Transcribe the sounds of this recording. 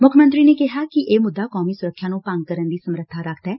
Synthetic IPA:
mʊkʰəmə̃nt̪ɾiːneːkɪɦaːkɪʔeːmʊd̪ːaːkɔːmiːsʊɾəkʰːjaːnũːpaŋɡ̚kəɾənd̪iːsəmɾət̪ʰːaːɾəkʰt̪ɛː

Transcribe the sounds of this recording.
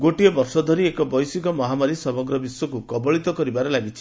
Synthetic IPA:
ɡoʈiɔbɔɾsɔd̪ʱɔɾiekɔbɔjsikɔmɔɦamaɾisɔmɔɡɾɔbisjɔkukɔbɔɭit̪ɔkɔɾibaɾelaɡit͡ʃʰi̥

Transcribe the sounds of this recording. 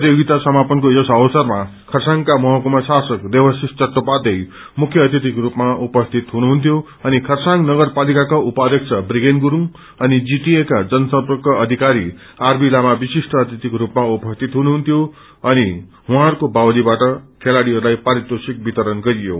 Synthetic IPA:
pt̪joɡit̪asʌmapʌnkojʌsʌwʌsʌrmakʰʌrsaŋkamʌɦʌkumʌsasʌkd̪ebʌsist͡sʌt̪ːopad̪ʌj | mukʰjʌːt̪jit̪ikrupmaupʌst̪ʰit̪ɦunuɦunt̪ʰjo | ʌnikʰʌrsaŋɡnʌɡʌrpalikakaʔupad̪ʌk̚t͡sʰʌbriɡenɡuɾuŋ | ʌnid͡ziʈiekad͡zʌnʌsʌpkʌʌd̪ʱikaɾi | arbilamabisiʂʈʰʌːt̪jit̪ikɾupmaupʌst̪ʰit̪ɦunuɦunt̪ʰjo | ʌni | ɦũãɦɾukobawlibaʈʌkʰelaɽiɦʌɾulajpaɾit̪osik̚bit̪ʌɾʌnɡʌɾijo̰

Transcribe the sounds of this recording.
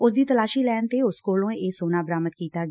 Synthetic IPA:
ʊsd̪iːt̪əlaːʃiːlɛːnt̪eːʊskoːlõːeːsoːnaːbəɾaːmət̪kiːt̪aːɡ

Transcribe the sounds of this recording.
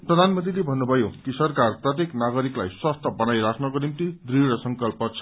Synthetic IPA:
prʌd̪ʱanmʌnt̪rilebʱʌnːubʱʌjokisʌrkarprʌt̪jeknaɡʌɾiklajswast̪ʰʌbʌnajɾasnʌɡonint̪id̪riɾʌsʌŋkʌlpʌt͡sʰʌ̥

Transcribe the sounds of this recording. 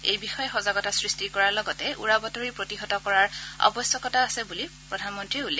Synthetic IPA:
ejbixɔjɛxɔzaɡɔtasɹistikɔɹaɹlɔɡɔtɛʔṵɹabɔtɔɹipɹotiɦɔtɔkɔɹaɹɔ̰bɔsjɔkɔtaːsɛbulipɹɔdʱanmɔntɹiɛulɛ

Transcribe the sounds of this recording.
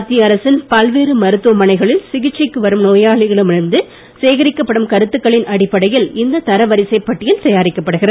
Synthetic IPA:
t̪ːiɐɾɐsɪnpɐlʋeːɾɯmɐɾɯt̪ːɯʋɐmɐnɐɪɣɐɭɪlsɪɣɪt͡ʃːɐɪkːɯʋɐɾɯmnoːjaːɭɪɣɐɭɯmɪɾɯnd̪ɯ | seːɣɐɾɪkːɐpːɐɽɯmkɐɾɯt̪ːɯkːɐɭɪnɐɽɪpːɐɽɐjɪlɪnd̪ɐt̪ɐɾɐʋɐɾɪsɐɪpːɐʈːɪjɪlt̪ɐjaːɾɪkːɐpːɐɽɯɣɪɾɐ

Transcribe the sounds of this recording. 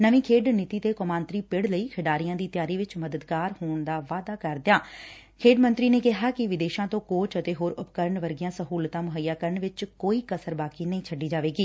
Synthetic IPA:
nəʋĩːkʰeːɖnɪt̪iːt̪eːkomãːnt̪ɾiːpɪɽləiːkʰɪɖaːɾijãːd̪iːt̪jaːɾiːʋɪt͡ʃməd̪əd̪kaːɾhoːɳd̪aːʋaːd̪aːkəɾd̪ejaː | kʰeːɖmə̃nt̪ɾiːneːkɪɦaːkɪʋɪd̪eːʃãːt̪õːkoːt͡ʃət̪eːɦoːɾʊpkəɾəɳʋəɾɡɪjãːsəɦuːlt̪ãːmʊɦəjːaːkəɾəɳʋɪt͡ʃkoːiːkəsəɾbaːkiːnəĩːt͡ʃʰəɖːiːd͡ʒaːʋeːɡiː

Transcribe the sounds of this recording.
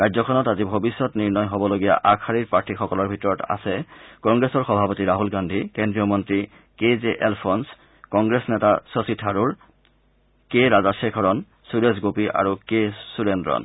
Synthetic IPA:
kajd͡ʑzɔkʰɔnɔtazibʱobisːɔtniɹnɔjɦobɔloɡija̰ʔakʰaɹiɹpaɹtʰixɔkɔlɔɹbʱitɔɹɔta̰sɛkɔŋɡɹesɔɹxɔbʱapotiɹaɦulɡandʱikendɹiɔmɔntɹi | kezeʔelpʰɔns | kɔŋɡɹesnetasositʰaɹuɹ | keɹazasekʰɔɹɔn | suɹes̬ɡopiʔa̰ɹukesuɹendɹɔ̰n

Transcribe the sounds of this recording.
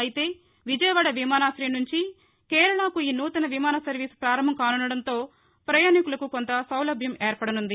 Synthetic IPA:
ɐjit̪e̞ː | ʋid͡ʒɐjɐʋaɽɐʋimaːnaːsɾinuɲt͡ʃi | kɛːɾɐɳaːkuiːnuːt̪ɐnɐʋimaːnɐsɐɾʋiːspɾaːɾɐm̤ɐmkaːnunːɐɽɐnt̪o̞ː | pɾɐjaːnikulɐkukont̪ɐsɐwlɐbʱjɐmeːɾpɐɽɐnund̪i

